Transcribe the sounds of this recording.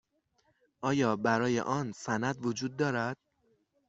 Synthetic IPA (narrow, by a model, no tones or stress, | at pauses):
ʔɒːjɒːbæɾɒːje̞̰ʔɒːnsænæd̪vod͡ʒuːd̪̚ːɒːɾæd̪̥̚